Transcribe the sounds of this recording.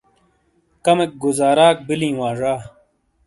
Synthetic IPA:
kɐmek̚ɡuzaːɾaːk̚bilĩːwãːʐaː

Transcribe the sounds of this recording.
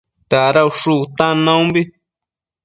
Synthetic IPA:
t̪aɾauʂut̪ãnãũmbi

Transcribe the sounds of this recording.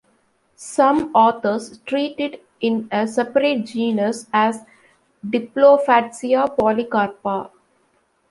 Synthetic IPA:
sʌ̃mɔːt̪ʰəɾsʈɾiːʈɪɖ | ɪ̃nəsɛpəɾeʈ̚d͡ʒĩːnəsæz | ɖɪploːfæʈsiapɔːlikaːɾpa

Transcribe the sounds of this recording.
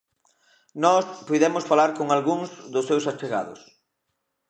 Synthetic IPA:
nɔspojðɛmʊsfalaɾkoŋalɣuŋzðʊsːewsat͡ʃeɣa̰ðʊ̰s

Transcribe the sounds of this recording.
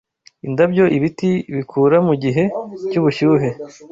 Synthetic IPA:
indabɟo̞ʔiβitiβikʰuːɾamuɟiɦe̞cuβuʃuːɦe̞

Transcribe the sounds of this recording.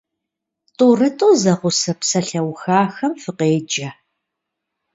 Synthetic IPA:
tʼuːrɐtʼoːzɐqʷʊsɐpsɐɬɐwxaːxɐmfɨqeːd͡ʒɐ

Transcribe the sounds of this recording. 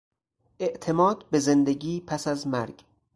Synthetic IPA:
ʔe̞ʔt̪ʰe̞mɒːd̪be̞ze̞nd̪eɡiːpʰæsæzmæɾɡ

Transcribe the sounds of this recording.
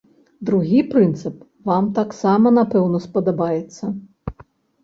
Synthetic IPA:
d̪ɾuɣʲipɾɨnt̪sɨp | vamt̪aksamɐnapɛwnɔspɐd̪ɐbajɛt̪sːɐ

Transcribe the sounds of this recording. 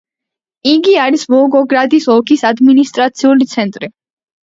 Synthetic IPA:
iɡiaɾisvɔɡɔɡɾad̪isɔkʰisad̪minist̪ʼɾat̪sʰiulit̪sʰɛnt̪ʼɾi

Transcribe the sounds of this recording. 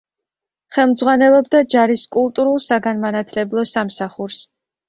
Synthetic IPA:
χɛlˠmd̪zʁwanɛlˠɔbd̪ad͡ʒaɾiskʼulˠt̪ʼuɾulˠsaɡanmanat̪ʰlɛblˠɔsamsaχuɾs

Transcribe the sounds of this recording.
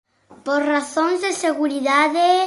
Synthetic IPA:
poɾraθoŋzðeseɣuɾiðaðe

